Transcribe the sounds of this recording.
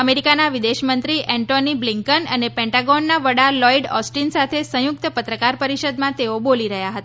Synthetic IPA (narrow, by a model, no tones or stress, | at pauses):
əmeɾikanaʋid̪eʃmənt̪ɾiʔɛ̃ɳʈonibliŋkənənepɛ̃ɳʈaɡɔnːaʋəɽalɔiɖɔsʈinsat̪ʰesə̃jʊk̚t̪əpət̪ɾəkaɾpəɾiʃəd̪mãt̪eoboliɾəɦjaɦət̪a